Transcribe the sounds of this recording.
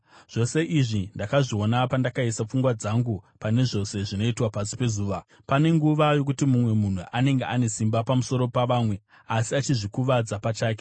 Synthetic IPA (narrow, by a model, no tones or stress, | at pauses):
ʐ̥o̞se̞ʔiʐindakaʐio̞napandakaisap͡fuŋɡwad͡zaŋɡupane̞ʐo̞se̞ʐino̞itwapasi̥pe̞zuːʋa | pane̞ŋɡuʋajo̞k̬utimumwe̞mun̤uʔane̞ŋɡeʔane̞simbapamuso̞ɾo̞paʋaːmwe̞ | asiat͡ʃiʐikuʋad͡zapat͡ʃaːk̬e̥